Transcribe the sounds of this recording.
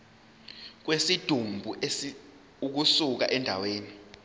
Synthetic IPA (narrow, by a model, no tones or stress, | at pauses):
k̬wesid̥ʱumbʱuʔe | uk̬usuk̬aʔɛndʱa̰weːni